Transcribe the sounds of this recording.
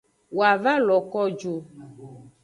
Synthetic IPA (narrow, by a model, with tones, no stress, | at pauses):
wo˨a˨va˦lɔ˨kɔ˦d͡ʒo˨